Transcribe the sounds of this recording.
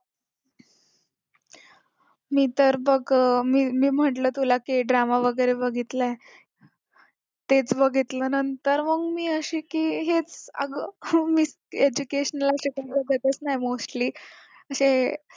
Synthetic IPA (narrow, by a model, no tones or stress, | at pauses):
miːt̪əɾbəɡmiːmiːm̤əʈləːt̪ulakiɖɾamaʋəɡəjɾebəɡʱit̪lae | t̪et͡sbəɡʱit̪lənənt̪əɾməɡmiːəɕiːkiːɦet͡sə̰ɡəmis | ed͡ʑukeɕənəlaəɕekabəɡʱət̪ət͡snaɦjmosʈliː | əɕe